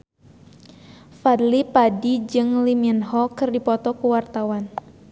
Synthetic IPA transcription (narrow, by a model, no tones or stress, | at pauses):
fadlipadid͡ʒɨŋliminhɔkɨrdipɔt̪ɔkuwart̪awan